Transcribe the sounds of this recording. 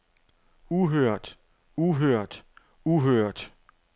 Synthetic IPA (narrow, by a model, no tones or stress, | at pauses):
uɦøɐ̰d̥ | uɦøɐ̰d̥ | uɦøɐ̰d̥